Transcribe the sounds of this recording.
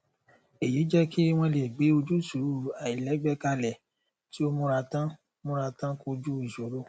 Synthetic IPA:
e˨ji˨˦d͡ʒɛ˦ki˦w̃ɔ̃˧le˨ɡ͡be˨˦o˧d͡ʒu˦su˨ɾu˦˨a˨i˨lɛ˨˦bɛ˦ka˧lɛ˨ | ti˨˦o˦mũ˦ɾa˧tã˦ | mũ˦ɾa˧tã˦ko˧d͡ʒu˦i˦˨ʃo˨˦ɾo˦

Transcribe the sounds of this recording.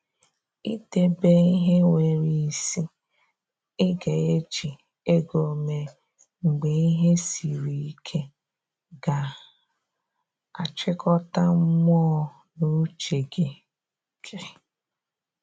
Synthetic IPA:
i˦te˨be˦i˦ɦe˦ŋʷe˨ɾi˨si˦ | ɪ˦ɡe˨e˦d͡ʒi˨ | e˦ɡo˨me˨ | ŋ͡m̩˨ɡ͡be˨i˦ɦe˦si˨ɾi˨i˦kʰe˦ | ɡa˨ | a˨t͡ʃɪ˦kɔ˦ta˦m̩˦m˦ɔ˦ | nu˦t͡ʃe˨ɡe˨ | kɾi˨

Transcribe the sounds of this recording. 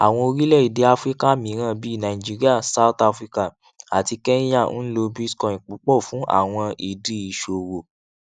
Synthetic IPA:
a˨w̃ɔ̃˧o˧ɾi˦lɛ˦˨i˨de˧˦a˧fɾi˦ka˦˨mĩ˨˦ɾ̃ã˦˨bi˨˦i˦˨nã˨i˨d͡ʒi˨˦ɾi˦a˦˨sa˦u˦t̪a˧fɾi˦ka˦˨ | a˨ti˧kɛ˦ja˦˨n̩˦lo˧bi˦skɔ̃˨ĩ˨k͡pu˨˦k͡pɔ˦˨fũ˨˦ʔa̰˦˨w̃ɔ̃˧ʔi˨di˨˦i˨ʃo˨wo˨

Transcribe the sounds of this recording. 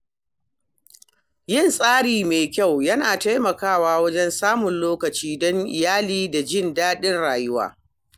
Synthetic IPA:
jɪ˦˨nsʼaː˦ɽiː˨meː˨kʲa˦˨wjɐ˦naː˨ta˦jmɐ˨kaː˦˨waː˦wɐ˦d͡ʒɛ˦nsaː˦mʊ˨nloː˦kɐ˨t͡ʃiː˦dɔ˦ŋʔɪ̰˨jaː˦liː˦da˨d͡ʒɪ˦˨ndaː˦ɗɪ˦nɽaː˨jʊ˦wa̰ː˦

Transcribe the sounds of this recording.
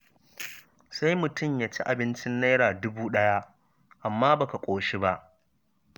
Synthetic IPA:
sa˦jmʊ˨tʊ˦˨mjaː˦t͡ʃi˦ʔa˨bɪ˦nt͡ʃɪ˦nːa˦jɽaː˨dʊ˦buː˦ɗɐ˦ja˦ʔ | ʔa˨mːaː˦ba˨ka˨kʷʼoː˨ʃi˦ba˦ʔ

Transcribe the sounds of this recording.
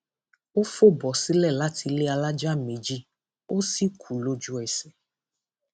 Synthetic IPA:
o˦fo˦˨bɔ˨si˦lɛ˦˨la˦ti˧le˦a˧la˦d͡ʒa˦˨me˨d͡ʒi˦ | o˦si˦kʰu˨lo˦d͡ʒu˦ɛ˨sɛ˦

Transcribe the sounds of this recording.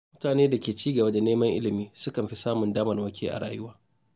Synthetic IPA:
mʊ˦taː˨neː˦da˨kʲeː˨t͡ʃiː˦ɡɐ˨ba˦da˨neː˦mɐ˦ŋʔɪ̰˦lɪ˨miː˦sʊ˦kɐ˨mɸi˦saː˦mʊ˨ndaː˦mɐ˨rwɐ˦kʲeː˦ʔa̰˨ɽa̰ː˦jʊ˦waː˦

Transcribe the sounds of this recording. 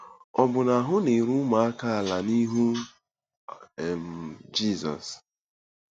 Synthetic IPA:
ɔ˨bʊ˨na˨ɦʊ˦ne˨ɾu˦ma˨a˦ka˦a˨la˨ni˦ɦu˦˨ | m̩˨d͡ʒi˦˨zɔ̰˨s

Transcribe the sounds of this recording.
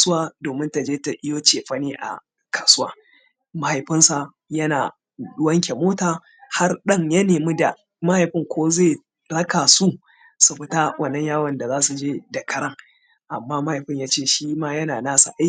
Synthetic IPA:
sʊ˦waː˦doː˨mɪ˦nta˨d͡ʒeː˦ta˨ʔɪ˦joː˦t͡ʃeː˨ɸɐ˦niː˦ʔa̰˨ | kʰaː˨sʊ˦waː˦ | ma˦ha˨jɸɪ˦nsa˨ | jɐ˦naː˨ | ɗʊ˦wɐ˦ŋkʲe˨moː˦taː˨ | ha˦rɗɐ˦ŋjɐ˦neː˨mi˦da˨ | ma˦ha˨jɸɪ˦ŋkʷʰoː˦zeː˦˨ | ɽɐ˦ka˨su˦ | su˨ɸɪ˦ta˦wʔɐ˦˨nːɐ˦ɲjaː˦wɐ˨nda˨zaː˦su˨d͡ʒeː˦da˨kʰɐ˦ɾɐ˦ŋ | ʔa˨mːaː˦ma˦ha˨jɸɪ˦ɲjaː˦t͡ʃeː˦˨ʃiː˦maː˦jɐ˦naː˨naː˦sa̰˨ʔa˦j

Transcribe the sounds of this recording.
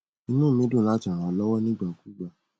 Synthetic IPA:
ĩ˧˦nũ˦˨mĩ˦dũ˦˨la˦t͡ʃã˨ɾ̃ã˨˧˦lɔ˦wɔ˦nĩ˦ɡ͡ba˨ku˦ɡ͡ba˦˨

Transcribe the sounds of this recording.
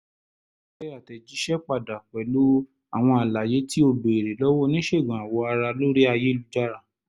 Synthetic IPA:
ɛ˦ɾa˨tɛ˨d͡ʒi˨˦ʃɛ˦k͡pa˧˨da˨k͡pɛ˨˦lo˦ | a˦˨w̃ɔ̃˧a˨la˨je˨˦ti˦o˧do˨e˨ɾe˨lɔ˦wɔ˦nĩ˦ʃe˦˨ɡã˨a˨wɔ˧a˧ɾa˧lo˦ɾi˦a˧je˦lu˨˧d͡ʒa˦ɾa˦˨

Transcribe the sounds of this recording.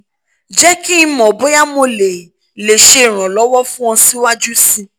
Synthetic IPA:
d͡ʒɛ˦ki˦i˧mɔ̃˨bo˦ja˦mo˧le˨ | le˨ʃe˧˨ɾ̃ɔ̃˨lɔ˨˦wɔ˦fũ˦ɔ̃˧si˦wa˦d͡ʒu˦sĩ˧

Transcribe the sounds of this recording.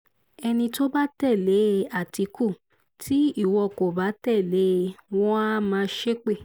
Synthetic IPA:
ɛ˧nĩ˧to˦ba˦tɛ˦˨le˨˦a˨ti˨˧˦ku˦˨ | tʰi˨˦i˦˨wɔ˧˨ko˨ba˨˦tɛ˦˨le˨˦w̃ɔ̃˦mãː˧˦ʃe˦k͡pe˦˨

